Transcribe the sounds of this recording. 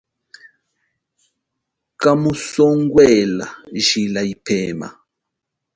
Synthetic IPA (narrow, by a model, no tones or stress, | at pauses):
kamusɔŋɡwɛla̰ʒilaipʰɛːma̰